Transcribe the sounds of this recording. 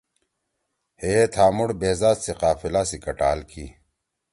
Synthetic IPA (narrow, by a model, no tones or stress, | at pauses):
heɦet̪ʰaːmuɽbeːzaːt̪seqaːfilasikɐʈa̰ːlkʰi